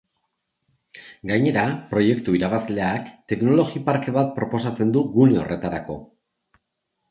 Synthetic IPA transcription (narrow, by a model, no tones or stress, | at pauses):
ɡaɲe̞ɾapɾo̞je̞kt̪uiɾaβasle̞akt̪e̞kno̞lo̞ɣipaɾke̞βat̪̚pɾo̞po̞sat͡se̞nd̪uɡune̞o̞̰re̞t̪aɾako̞̰